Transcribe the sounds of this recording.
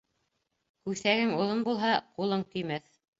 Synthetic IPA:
kʉθæɡɘŋuðɤnbulˠɦɑqulˠɤɴt̪ɵ̆jmæθ

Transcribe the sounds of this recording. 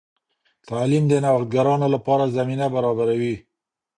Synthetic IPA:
t̪ɑlimd̪ənawt̪̚ɡaɾɑnolapɑɾazaminabaɾɑbaɾawi

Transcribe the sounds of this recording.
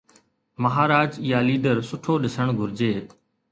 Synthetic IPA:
məɦaːɾaːd͡ʒɪjaːliːɖəɾsʊʈʰoːɗɪsəɳ̃ɡʱʊɾɪd͡ʒeː

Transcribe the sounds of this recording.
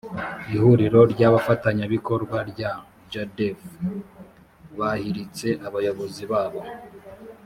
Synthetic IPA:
ihuɾiɾo̞ɾɟaβafataɲaβiko̞ɾɡwaɾɟa | d͡ʒadef | βahiɾit͡se̞ʔaβajo̞βo̞ziβaːβo

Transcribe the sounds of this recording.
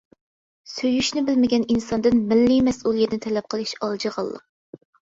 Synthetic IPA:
søjyʃnɪbɪlmɪɡʲɛninsɑnd̪ɨnmɪlːimɛsulˠijɛt̪nɪt̪ʰɛlɛp̚qʰəlˠɨʃɑlˠd͡ʒəʁɑ̰lˠːə̰q̚

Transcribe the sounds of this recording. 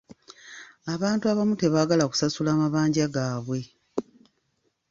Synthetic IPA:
aβaːntuaβamute̞βaːɡalaku̥sasulaːmaβaːɲɟaɡaːβwe̞

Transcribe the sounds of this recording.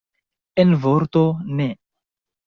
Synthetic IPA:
envoɾt̪one

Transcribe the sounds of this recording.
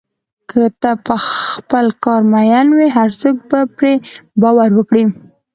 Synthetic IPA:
kʰət̪apəxpəlkɑɾmajanwiɦaɾsok̚bapɾebɑwaɾwəkɽi

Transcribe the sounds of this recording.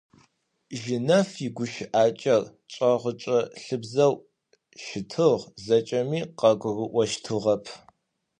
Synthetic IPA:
ʒɪnɐfiɡʷʊʃʔaːt͡ʃʼɐr | t͡ʃʼɐʁət͡ʃʼɐɬɨbzɐw | ʃɪtʰɨʁzɐt͡ʃʼɐmiːqɐɡʷʊɣɨʔʷɔʃtʰɨʁɐpʰ

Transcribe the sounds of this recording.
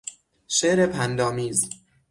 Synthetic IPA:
ʃeːʔɾepʰænd̪ɒːmiːz

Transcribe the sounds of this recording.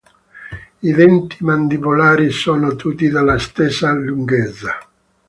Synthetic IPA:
iðɛnt̪imand̪ibolaːɾisoːnot̪ʰut̪ːid̪alːast̪esːaluŋɡɛt̪sːa

